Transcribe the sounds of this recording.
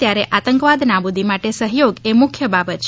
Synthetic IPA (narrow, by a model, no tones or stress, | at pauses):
jaɾeʔat̪əŋkʋad̪nabud̪ʱimaʈesəɦjoɡemʊkʰjəbabət̪̚t͡ʃʰ